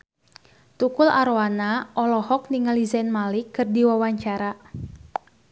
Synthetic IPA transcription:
t̪ukʊla̰ɾoanaʔɔlɔhɔk̚niŋalizɛnmalɪkːɨrdiwawaɲt͡ʃaɾa

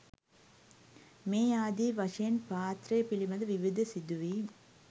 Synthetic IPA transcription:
meːaːd̪iʋɐʂeːnpaːt̪ɾɐːpɪlɪmɐd̪ɐʋɪʋɪd̪ɐsɪd̪uʋi

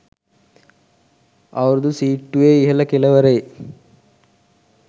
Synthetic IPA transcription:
ɐʋɐɾɐd̪usiːʈːuʋeːiɦɐlɐkelɐʋɐɾe

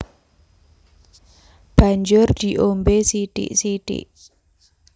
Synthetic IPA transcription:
b̥a̤ɲd͡ʒʊrd̪̥i̤ʔombesiɖ̥ɪ̰ʔsiɖ̥ɪ̰ʔ

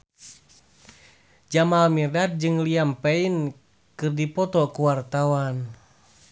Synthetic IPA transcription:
d͡ʒamalmirdat̪̚d͡ʒɨŋliampɛin | kɨrdipɔt̪ɔkuwart̪awan

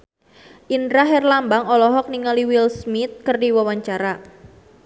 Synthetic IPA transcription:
ʔindɾaɦɛrlambaŋɔlɔɦɔk̚niŋaliwilsmit̪̚kərdiwawaɲt͡ʃaɾa

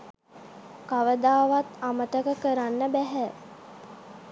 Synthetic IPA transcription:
kaʋəd̪aːʋat̪amət̪əkəkəɾanːəbæɦɛ

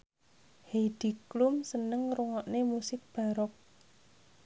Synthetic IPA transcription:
hed̥i̤klʊmsənəŋruŋɔʔnemusɪk̚b̥a̤ɾɔk̚

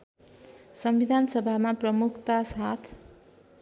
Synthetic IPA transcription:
sʌmbid̪ʱansʌbʱamaprʌmukʰt̪asat̪ʰ

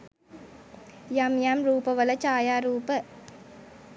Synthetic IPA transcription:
jɐmjɐmɾuːpɐʋɐlɐt͡ʃaːjaːɾuːpɐ

